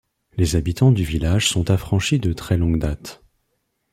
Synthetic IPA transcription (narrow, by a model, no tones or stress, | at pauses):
lezabit̪ɑ̃d̪yvilaʒsɔ̃t̪afχɑ̃ʃid̪ət̪χɛlɔ̃ɡd̪at̪